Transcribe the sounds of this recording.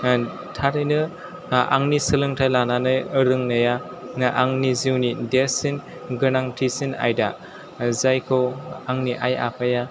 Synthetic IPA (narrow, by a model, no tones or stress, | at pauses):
tʰaɾɯjnɯ | a̰ŋnisɯlɯŋtʰajlananɯjɯɾɯŋnaja | ʔaŋniziwnidesin | ɡɯnaŋtʰisina̰jda̰ | zajkʰɯaŋniʔaja̰pʰaja